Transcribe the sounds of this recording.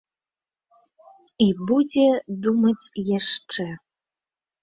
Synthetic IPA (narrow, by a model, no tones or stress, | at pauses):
ibud͡zʲɛd̪umɐt͡sʲjaʂʈ͡ʂɛ